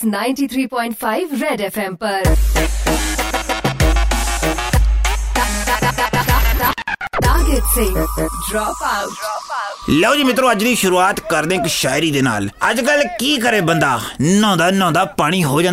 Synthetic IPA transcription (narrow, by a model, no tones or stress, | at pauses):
naːɪ̃nʈiːt̪ʰɾiːpɔ̃ːɪɳʈpʰaːiʋɾɛːɖɛːpʰɛːmpəɾ | d̪aːɦɪt̪seːɖɾɔːpa | lɛːd͡ʒiːmɪt̪ɾõːəd͡ʒd̪iːʃʊɾuːaːt̪kəɾd̪ẽːɪkʃaːɪɾiːd̪eːna̰ːləd͡ʒkəlkiːkəɾeːbənd̪aːnɔ̃ːnd̪aːnɔ̃ːnd̪aːpaːɽ̃iːɦoːd͡ʒãːn